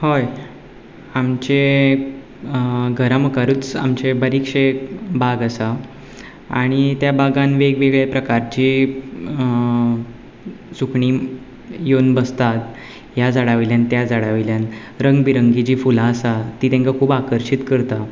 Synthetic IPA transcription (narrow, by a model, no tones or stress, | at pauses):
hoj | amt͡ɕe | ɡʱəɾaməkaɾut͡sa̰mt͡ɕebəɾikʂebaɡasa | aɽ̃it̪jabaɡanʋeɡʋeɡɭepɾəkaɾt͡ɕiː | sukʰɳi | jonbəst̪at̪ | ɦjad͡zaɽaʋeljant̪jad͡zaɽaʋeljan | ɾəŋɡbiɾəŋɡit͡ɕiːfulaəsat̪iːt̪ẽŋkakʰuːbakəɾɕit̪kəɾt̪a